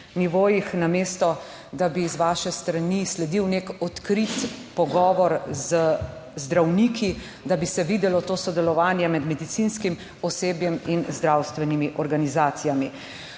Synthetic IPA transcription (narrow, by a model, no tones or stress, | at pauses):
niʋoːjixnameːst̪ɔ | d̪abizʋaːʃɛst̪ɾanislɛd̪iwnekɔt̪kɾit̪pɔɡɔːʋɔɾzə | zd̪ɾawniːkʰi | d̪abisɛʋid̪ɛlɔt̪oːsɔd̪ɛlɔʋaːnjɛmɛd̪mɛd̪it̪sinskim | ɔseːbjɛminzd̪ɾawst̪ʋɛnimiʔɔɾɡanizaːt̪sijami